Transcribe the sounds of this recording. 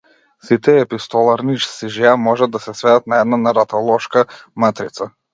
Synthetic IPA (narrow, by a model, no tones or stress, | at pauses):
sit̪ɛːpist̪ɔlˠaɾniʃsiʒɛamɔʒad̪ːasɛsvɛd̪at̪̚naɛd̪nanaɾat̪alˠɔʃkamat̪ɾit̪sa